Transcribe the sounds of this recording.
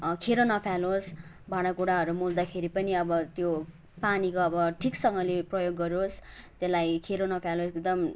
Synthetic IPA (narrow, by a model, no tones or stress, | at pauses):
kʰeɾonʌpʰjalos | baɽakuɽaɦʌɾumuld̪akʰeɾipʌniʌbʌt̪jo | panikoʌbʌʈʰiksʌŋɡʌleprʌjoɡːʌɾost̪elajkʰeɾonʌpʰjaloekd̪ʌm